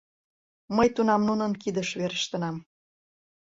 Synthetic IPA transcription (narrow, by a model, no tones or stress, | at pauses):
məjt̪unɑmnunənkid̪əʃβeɾəʃt̪ə̆nɑm